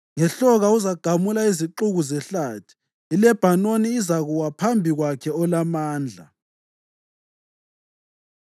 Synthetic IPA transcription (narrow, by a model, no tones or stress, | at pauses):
ŋɛɬɔɣauzaɡ̥ʱamulaiziǃuɣuzɛɬaːtʰi̥ | ilɛb̥ʱanoniːzaɣuwapʰambʱiɣwakʰɛɔlamaːnd͡ɮʱa̰